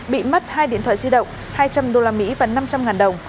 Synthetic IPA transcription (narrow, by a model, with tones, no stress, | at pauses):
ɓḭ˧˨mə˦˥t̚haː˧jɗḭ˧ənt̪ʰwa̰ː˧˨˩zi˧ɗə̰˧˨wŋ͡m | haː˧jt͡ɕa˧mɗo˧laː˧mḭ˧˥vaː˨˩na˧mt͡ɕa˧mŋaː˨˩nɗə˨˩wŋ͡m